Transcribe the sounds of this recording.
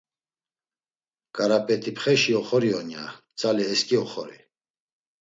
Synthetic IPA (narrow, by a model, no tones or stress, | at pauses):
kʼaɾapʼɛt̪ʰipχɛʃiɔχɔɾiɔnja̰ | t͡sʼaliɛskʼiɔχɔɾḭ